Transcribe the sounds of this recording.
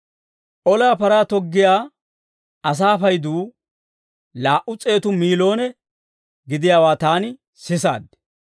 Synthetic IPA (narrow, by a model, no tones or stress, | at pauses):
ʔɔlaːpɐɾaːt̪ɔɡːɪjaː | ɐs̬aːfɐjd̪uː | laːʔʊt͡sʼe̞ːt̪ʊmiːlo̞ːnɛ | ɡɪd̪ɪjaːwaːt̪aːnɪ | sɪsa̰ːd̪